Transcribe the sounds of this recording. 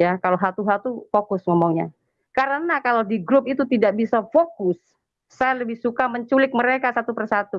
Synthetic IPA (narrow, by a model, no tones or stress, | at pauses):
jakaloɦat̪uɦat̪ufokʊsŋɔmɔŋɲa̰ | kaɾənakalodiɡɾʊp̚it̪ut̪idaʔbisafokʊsː | ajaləbɪhsukaməɲt͡ʃulɪk̪̚məɾekasat̪upərsat̪u